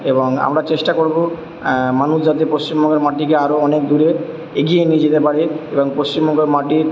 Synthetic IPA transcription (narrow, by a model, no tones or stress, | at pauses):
eboŋa̰mɾat͡ɕeʃʈakoɾbo | manusd͡ʑat̪epost͡ɕimbʱɔŋɡeɾmaʈikeaɾoɔnek̚d̪uɾe | eɡijenid͡ʑet̪epaɽiebɔŋpost͡ɕimbʱɔŋɡeɾmaʈi